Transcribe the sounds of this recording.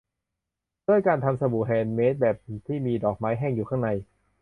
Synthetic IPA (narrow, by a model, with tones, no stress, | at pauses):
d̥u˥˩əjkaː˧nt̪ʰa˧msa˧bu˨˩ɦɛː˨˩nme˦˥t̪̚bɛː˨˩p̚t̪ʰiː˥˩miː˧dɔː˨˩k̚maː˦˥jɦɛː˥˩ŋjuː˨˩kʰaː˥˩ŋna˧j